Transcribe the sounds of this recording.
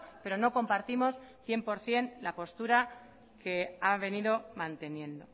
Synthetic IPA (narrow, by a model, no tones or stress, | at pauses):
pe̞ɾo̞no̞ko̞mpaɾt̪imo̞sθje̞mpo̞ɾθje̞nlapo̞st̪uɾa | ke̞aβe̞niðo̞mãnt̪e̞njẽ̞nd̪o̞